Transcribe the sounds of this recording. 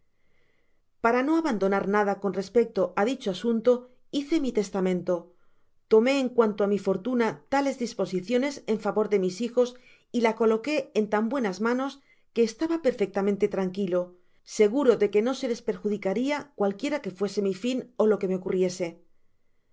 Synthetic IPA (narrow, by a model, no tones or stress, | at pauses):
paɾano̞aβand̪o̞naɾnað̞ako̞nre̞spe̞k̚t̪o̞ʔaðit͡ʃoasunt̪o̞ | iθe̞mit̪e̞st̪amẽ̞nt̪o̞ | t̪o̞me̞ːŋkwant̪o̞amifo̞ɾt̪unat̪ale̞zðispo̞siθjo̞ne̞se̞ɱfaβo̞ɾðe̞misixo̞s | ilako̞lo̞ke̞ːnt̪ambwe̞nazmãno̞s | ke̞ːst̪aβape̞ɾfe̞k̚t̪amẽnt̪e̞t̪ɾaŋkilo̞ | se̞ɣ̞uɾo̞ðe̞ke̞no̞se̞le̞speɾxuðikaɾiakwalkje̞ɾake̞fwe̞se̞mifino̞lo̞ke̞me̞o̞kurje̞se̞